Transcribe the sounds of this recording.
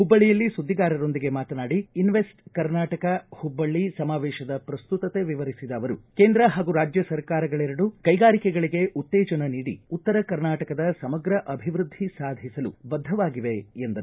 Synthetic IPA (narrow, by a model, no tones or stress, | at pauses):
hubːɐɭːijɐlːisud̪ːiɡaːɾɐɾo̞nd̪iɡe̞maːt̪ɐnaːɽiːnʋesʈkɐɾnaːʈɐkɐhubːɐɭːisɐmaːʋɛːʃɐd̪ɐpɾɐst̪ut̪ɐt̪e̞ʋiʋɐɾisid̪ɐːʋɐɾṵkeːnd̪ɾɐɦaːɡuɾaːd͡ʒjɐsɐɾkaːɾɐɡɐɭɛɾɐɽukɐjɡaːɾikɛɡɐɭiɡe̞ʔut̪ːɛːd͡ʒɐnɐniːɽḭut̪ːɐɾɐkɐɾnaːʈɐkɐd̪ɐsɐmɐɡɾɐʔɐbʱiʋɾud̪ʱːisaːd̪ʱisɐlṵbɐd̪ʱːɐʋaːɡiʋe̞end̪ɐɾu